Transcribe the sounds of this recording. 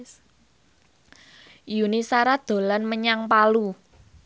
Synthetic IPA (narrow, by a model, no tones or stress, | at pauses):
junisaɾad̪̥o̤lanməɲaŋpalu